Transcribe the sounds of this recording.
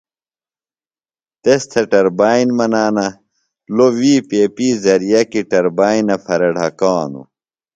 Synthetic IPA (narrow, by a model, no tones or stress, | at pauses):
t̪est̪ʰeʈɐɾbaːinmɐnaːnɐ | lowiːpeːpiːzɐɾijɐkiʈɐɾbaːinɐfɐɾɐɖʱɐkaːnṵ